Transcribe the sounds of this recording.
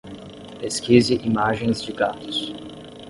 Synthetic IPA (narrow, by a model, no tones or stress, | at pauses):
peskiziʔimaʒẽj̃zd͡ʒɪɡat̪ʊs